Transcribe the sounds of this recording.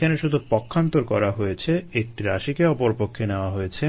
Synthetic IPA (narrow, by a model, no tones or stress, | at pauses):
aneʃud̪ʱupɔkʰːant̪oɾkɔɾaɦojet͡ɕʰeek̚ʈiɾa̰ʃikeɔpoɾpokʰːeneoaɦojet͡ɕʰe